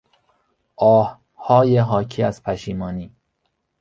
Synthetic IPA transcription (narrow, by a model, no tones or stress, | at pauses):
ʔɒːh | hɒːjeɦɒːcʰiːæz̥pʰæʃiːmɒːniː